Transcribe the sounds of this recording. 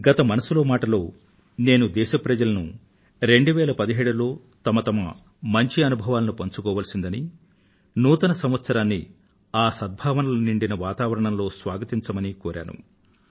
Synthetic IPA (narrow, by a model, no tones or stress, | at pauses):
ɡɐt̪ɐmɐnɐsulo̞ːmaːʈɐlo̞ː | ne̞ːnud̪ɛːʃɐpɾɐd͡ʒɐlɐnu | ɾe̞ɳɖuʋɛːlɐpɐd̪iɦeːɽulo̞ː | t̪ɐmɐt̪ɐmɐ̰ | mɐɲt͡ʃiɐnubʱɐʋaːlɐnupɐɲt͡ʃukɔːʋɐːlsind̪ɐni | nuːt̪ɐnɐsɐmʋɐt̪sɐɾaːnːi | aːsɐd̪̚bʱaːʋɐnɐlɐniɳɖinɐʋaːt̪aːʋɐɾɐɳɐmlo̞ːsʋaːɡɐt̪iɲt͡ʃɐmɐnikɔːɾʔa̰ːnṵ